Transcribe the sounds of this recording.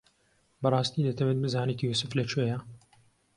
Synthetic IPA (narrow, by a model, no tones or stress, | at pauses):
bɐrˤɑːst̪iːd̪ɐt̪ʰɐwɛt̪̚bɨzaːnekijusɨflɐt͡ʃʰuejɐ